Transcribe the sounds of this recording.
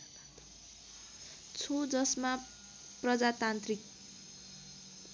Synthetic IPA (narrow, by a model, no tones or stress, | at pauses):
t͡sʰod͡zʌsma | prʌd͡zat̪ant̪rik̚